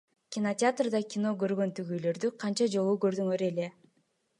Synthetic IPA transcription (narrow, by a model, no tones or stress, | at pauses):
kʲɪnotʲɪat̪rd̪ɑkʲɪno̞ɡø̞ɾɡø̞nt̪yɡyjlø̞ɾd̪yqʰɑnt͡ʃɑd͡ʒo̞lˠukø̞ɾd̪yŋøɾe̞le̞